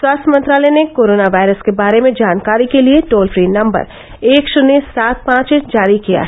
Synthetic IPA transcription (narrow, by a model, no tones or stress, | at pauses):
swaːst̪ʰjəmɐ̃nt̪ɾaːlɛnekoːɾoːnaʋaːɪɾəskebaːɾemẽd͡ʒaːnkaːɾikelieʈoːlfɾiːnɐ̃mbə̰ɾ | eːkʃʊnesaːt̪̚pãːt͡ʃed͡ʒaːɾikija̰ɦɛ